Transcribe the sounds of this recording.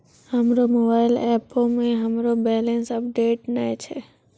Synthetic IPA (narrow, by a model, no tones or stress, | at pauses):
həmɾomobaɪlɛpomẽɦəmɾobɛlẽnsəp̚ɖeːʈnajt͡ʃʰe